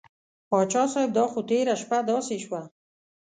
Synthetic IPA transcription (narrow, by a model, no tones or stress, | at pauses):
pɑt͡ʃɑsɔjɪb̚d̪ɑxot̪eɾaʃpad̪ɔseʃwa